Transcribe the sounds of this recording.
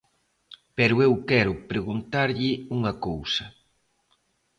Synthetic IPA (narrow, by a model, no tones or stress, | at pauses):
pɛɾʊewkɛɾʊpɾeɣunt̪aɾʎɪuŋɐkowsɐ